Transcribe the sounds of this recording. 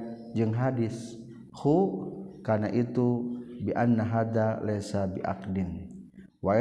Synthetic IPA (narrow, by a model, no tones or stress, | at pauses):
d͡ʒɨŋɦadɪs | hukanaʔit̪ubiʔanːaɦad̪alɛsabiʔa̰k̚din | wa